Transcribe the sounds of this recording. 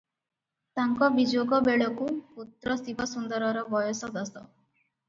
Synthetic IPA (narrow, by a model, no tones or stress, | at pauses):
t̪aŋkɔbid͡ʒoɡɔbeɭɔkuput̪ɾɔst̪ibɔsund̪ʌɾɔɾɔbɔjɔsɔd̪ʌsɔ